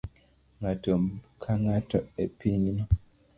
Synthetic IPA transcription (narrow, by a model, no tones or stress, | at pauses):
ŋatomkʰaŋatɔepiɲinɔ